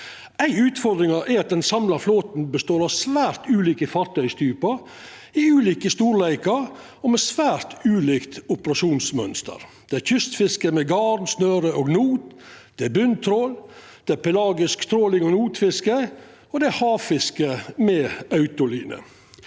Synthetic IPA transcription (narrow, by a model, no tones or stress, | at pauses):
æɪʉːt̪fɔɾd̪ɾɪŋɑʔæɾɑt̪̚d̪ɛnsɑmlɑɾfloːt̪n̩bəst̪oːɾɑʋsʋæːɾt̪ʉːliːkəfɑɾt̪ʰœʏst̪ʰyːpɑɾ | ɪʉːliːkəst̪uːɾlæɪkɑɾ | ɔmɛsʋæːɾt̪ʉːliːkt̪ʊpəɾɑʂuːnsmœ̰nst̪ə̰ɾd̪̥ɛæɾçʏst̪fɪskəmɛɡɑɾnsnøːɾəʔoːɡnuːt̪ | d̪̥ɛæbʏnt̪ʰɾoːl | d̪̥ɛæpɛlɑːɡɪskst̪ʰɾoːlɪŋɔnuːt̪fɪskə | ɔd̪ɛæhɑːʋfɪskəmɛɑʉt̪ʊliːnə̰